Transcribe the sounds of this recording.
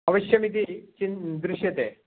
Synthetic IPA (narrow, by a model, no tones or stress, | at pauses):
ɐʋɐɕjɐmit̪̬it͡ɕind̪ɾuʃjɐt̪e